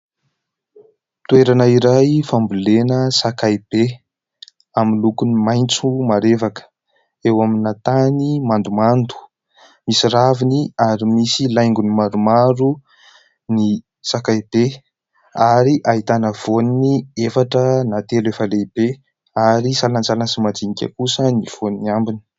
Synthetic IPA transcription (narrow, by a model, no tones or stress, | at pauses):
t̪ueɾanəiɾajfambulenəsakajb̥e | aminlukunimajnt͡sumaɾevakə̥ | ewaminat̪animand̪umand̪u̥ | misiɾaviniaɾimisilajŋɡunimaɾumaɾu | ni | sakajbe | aɾiʔaɦit̪anəv̥oniniefaʈ͡ʂənat̪elefəleib̥e | aɾisalant͡salansimad͡zinikʲə̰kusəniv̥oniambini̥